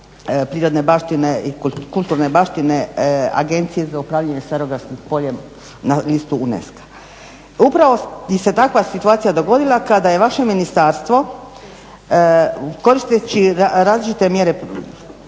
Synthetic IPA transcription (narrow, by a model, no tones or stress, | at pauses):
pɾiːɾo̞d̪ne̞baːʃt̪ine̞ikulˠt̪uːɾne̞baːʃt̪ine̞a̰ɡe̞nt̪sije̞zaupɾaːʋʎʲaɲe̞st̪eɾo̞ɡɾaskixpo̞ʎem | nalist̪uunḛskḁ | upɾaʋo̞jise̞t̪akʋasit̪uaːt̪ijad̪o̞ɡo̞d̪ilˠakad̪aje̞ʋaʃe̞minist̪aːɾst̪ʋo̞ | ko̞ɾist̪et͡ɕiɾaːzlit͡ʃit̪e̞mje̞ɾe